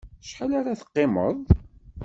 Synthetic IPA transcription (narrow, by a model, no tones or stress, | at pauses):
ʃħalaɾaθə̥qːɪmə̰ðˤ